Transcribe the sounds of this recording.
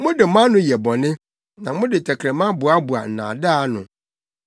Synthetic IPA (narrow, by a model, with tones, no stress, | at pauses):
mʊ̃˦dɪ˨˦mã˦nʊ̃˦jɛ˨bɔ˨nɪ̃˦ | nã˨mʊ̃˦dɪ˨tʰɛ˨kʰɾɛ˨mã˦bu˨a˦bu˨a˨n̩˨nã̰ː˨da˦nʊ̰̃˨